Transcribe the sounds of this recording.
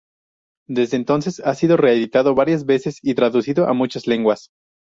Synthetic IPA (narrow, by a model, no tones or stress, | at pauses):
d̪e̞zðeːnt̪o̞nse̞sasiðo̞re̞eðit̪aðo̞βaɾjazβe̞se̞sit̪ɾaðusiðo̞ʔa̰mut͡ʃazle̞ŋɡwas